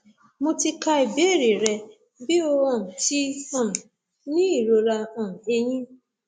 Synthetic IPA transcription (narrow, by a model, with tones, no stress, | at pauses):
mo˧ti˧ka˧i˨be˨˦˨ɾi˨ɾɛ˧ | bi˦o˧ɔ̃˨ti˦ɔ̃˦˨ | nĩ˦i˦˨ɾo˧ɾa˧ɔ̃˨e˧j̃ĩ˦